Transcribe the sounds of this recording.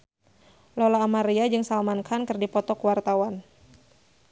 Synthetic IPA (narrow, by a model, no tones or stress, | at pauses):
lɔlaːmaɾiad͡ʒɨŋsalmankʰankɨrdipɔt̪ɔkəwart̪awan